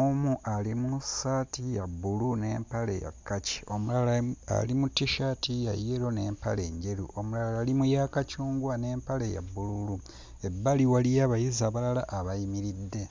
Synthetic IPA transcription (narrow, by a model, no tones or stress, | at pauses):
omuʔalimusatijabːulune̞̰ːmpalḛja̰kːaci̥o̞mulalaa̰limutːiʃatija̰jeɾo̞ne̞ːmpa̰le̞ːɲɟe̞ɾṵʔomulalaalimujaːkacuːŋɡwane̞ːmpale̞ja̰bːululu | e̞bːaliwalijaβajizaβalalaʔːβajimiɾidːe̞